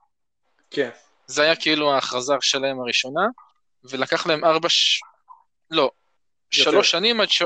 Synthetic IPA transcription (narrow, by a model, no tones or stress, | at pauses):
ke | zeajakeiluaχazaʁʃelaemaʁiʃo̞na | velakaχlae̞maʁbaʃ | lo̞ | ʃalo̞ʃanimadʃ